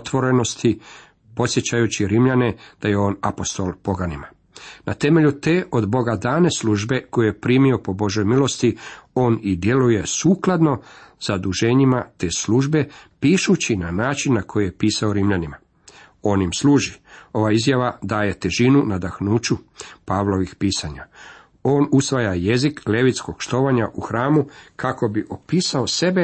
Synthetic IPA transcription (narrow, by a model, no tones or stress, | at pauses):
ot̪ʋo̞ɾe̞no̞st̪i | po̞t̪sʲjet͡ɕajut͡ɕiɾimʎane̞d̪̥aje̞o̞ːnapo̞st̪o̞lˠpo̞ɡanima | nat̪e̞me̞ʎut̪e̞ːʔo̞d̪bo̞ɡad̪aːne̞sluːʒbe̞ko̞jeje̞pɾiːmio̞po̞bo̞ʒo̞jmilˠo̞st̪io̞ːnid̪je̞luje̞suːklˠad̪no̞z̥ad̪uʒe̞ɲimat̪esluːʒbe̞piːʃut͡ɕinanaːt͡ʃinːakʰo̞jijepiːsao̞ɾimʎanima | o̞ːnimsluːʒio̞ʋaizjaʋad̪aːje̞t̪e̞ʒinunad̪axnuːt͡ʃupaːʋlˠo̞ʋixpiːsaɲa | o̞ːnusʋajaje̞zikle̞ʋit̪sko̞ɡ̥ʃt̪o̞ːʋaɲaʔuxɾaːmukʰako̞biʔo̞piːsaose̞be